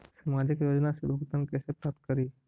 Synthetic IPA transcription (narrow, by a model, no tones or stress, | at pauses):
sɐmaːd͡ʒɪkjoːd͡ʒnaseb̪oɡt̪ənkɛːsepɾaːp̚t̪̚kəɾiː